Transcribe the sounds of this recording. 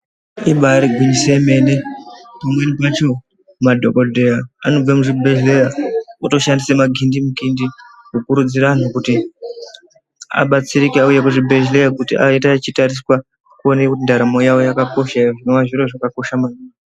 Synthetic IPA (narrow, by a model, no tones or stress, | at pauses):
iɓaɾiɡʱwiɲiseme̞ne̞pamwe̞nipat͡ʃo̞ | mumadʱo̞kodʱejaano̞b͡vamuʐibʱe̞ɮleɾaoto̞ʃandisemaɡʱindimuɡʱindi | kukuɾud͡ziɾan̤ukuti | a̰ɓat͡siɾikiaujekuʐibʱe̞ɮleakutiʔa̰itat͡ʃitaɾiswa | kuonekundaɾamo̞jawo̞jakako̞ʃaʐinowaʐiɾoʐakako̞ʃamaɡʱini